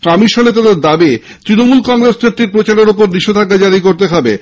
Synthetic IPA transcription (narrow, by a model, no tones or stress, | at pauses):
kɔmiʃonet̪ad̪eɾd̪abi | t̪ɾinomulkɔŋɾesket̪ːiɾpɾot͡ɕaɾeɾopoɾniʃod̪ʱakːad͡ʑaɾikoɾt̪eɦɔbe